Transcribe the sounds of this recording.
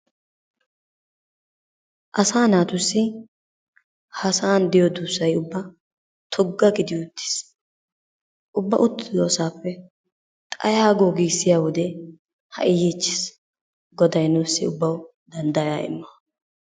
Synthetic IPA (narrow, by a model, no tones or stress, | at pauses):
ʔɐsaːnaːt̪ʊsːɪ | hɐsaːnd̪ɪjɔd̪uːsːɐjʊbːɐ | t̪ʰɔɡːɐɡɪd̪ɪʊt̪ːɪ̥s | ʔʊbːɐʔʊt̪ːɪd̪oːsaːpːɛ | t̪ʼɐ̰jaːɡoːɡiːsːɪjaːwɔd̪ɛ | hɐ̰ʔɪjiːt͡ʃːɪ̥s | ɡɔd̪ɐjnuːsːɪʊbːɐw | d̪ɐnd̪ɐjaːɪ̰mːɐ